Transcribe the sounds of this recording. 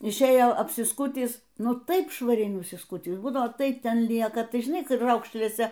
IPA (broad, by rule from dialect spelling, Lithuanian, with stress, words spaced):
ɪʃʲˈeːjoː ɐpʲsʲɪˈskʊtʲiːs ˈnʊ ˈtɐɪp ʃʋɐˈrʲɛɪ nʊsʲɪˈskʊtʲiːs ˈbuːdɐʋoː ˈtɐɪ ˈtʲɛn ˈlʲiɛkɐ ˈtɐɪ ʒʲɪˈnɐɪ ˈkrɐʊkʃʲlʲeːsʲɛ